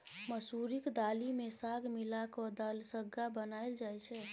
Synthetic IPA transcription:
məsuɾikd̪alimesaɡmilakɔd̪əlsəɡːabənaɪld͡ʒajt͡ʃʰɛ

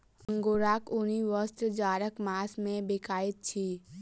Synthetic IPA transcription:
ə̃ŋɡoːɾaːkʊniʋəst̪ɾd͡ʒaːɾəkmaːsmẽbekaːɪt̪̚t͡ʃʰiː

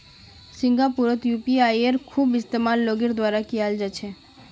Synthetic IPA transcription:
siŋɡapuɾot̪jupiajeɾkʰubist̪emanloɡeɾd̪waɾakiald͡ʒat͡ɕʰe

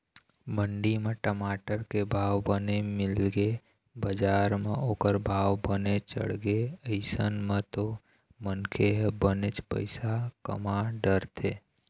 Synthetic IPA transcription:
bəɳɖimẽʈəmaːʈəɾkebʱaːʋbənemɪlɡe | bəd͡ʒaːɾmẽoːkəɾbʱaːwbənet͡ʃə̰ɽɡeəɪsənmẽt̪o | mənkʰeɦbənet͡ʃpə̰ɪsakə̰maɖəɾt̪ʰeː

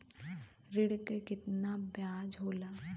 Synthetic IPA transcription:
ɾɪɽkekɪt̪nabjaːd͡ʒɦoːlaː

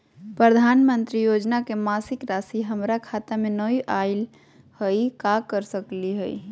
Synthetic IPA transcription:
pɾəd̪ʱanmənt̪ɾijod͡ʒnakemasɪkɾasiɦəmɾakʰat̪amenəiʔaɪl | həikakəɾsəkliɦəi

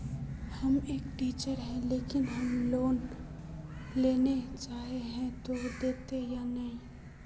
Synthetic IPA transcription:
hɐmeːkʈiːt͡ʃəɾɦɛ̃leːkɪnɦɐmloːn | leːnet͡ʃaːɦeɦɛ̃t̪od̪eːt̪ejanɐɦĩ

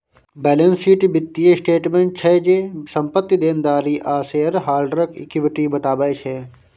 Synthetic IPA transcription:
bɛːlənsiːʈbɪt̪ːiesʈeːʈmeɳʈ̚t͡ʃʰɛd͡ʒeːsɐ̃mpət̪ːid̪eːnd̪aːɾiːʔaːseːɐɾɦaːlɖɾəkɪ̰kɪʋɪʈibɐt̪aːbaːjt͡ʃʰɛː

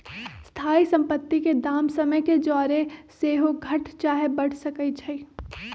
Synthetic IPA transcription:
st̪ʰaːisɐ̃mpət̪ːiked̪aːmsəməjked͡ʒɔːɾeseːɦoɡʱɐʈt͡ʃaːɦebɐɽ̤səkəit͡ʃʰɐi

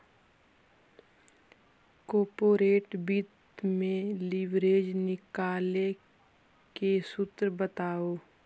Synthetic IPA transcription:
kɔːpoːɾeːʈbit̪ | mẽlɪʋɾeːd͡ʒnɪkaːle | kesʊt̪ɾbət̪aːoː

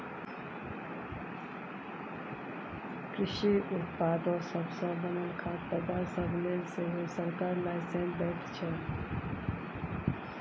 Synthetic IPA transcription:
kɾiʃiut̪̚pad̪əsəbʱsə̃bənəlkʰat̪əd̪aɾsəbʱneseɦosəɾkaɾlaɪsẽnbɛʈ̪ʰt͡ʃʰɛ

